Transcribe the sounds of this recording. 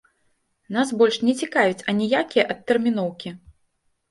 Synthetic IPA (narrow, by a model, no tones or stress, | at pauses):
n̪asbɔlʲʂnʲɛt͡sʲikajut͡sʲɐnʲɛjakʲijɐʔɐt̪ːɛrmʲin̪ɔwkʲi